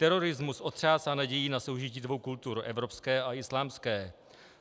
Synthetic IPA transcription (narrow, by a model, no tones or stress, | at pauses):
t̪ɛɾo̞ɾɪzmusʔo̞t̪r̝̥aːsanaɟɛjinaso̞wʒɪciːdvo̞wkult̪uɾʔɛvɾo̞pskɛːʔaʔɪslaːmskɛː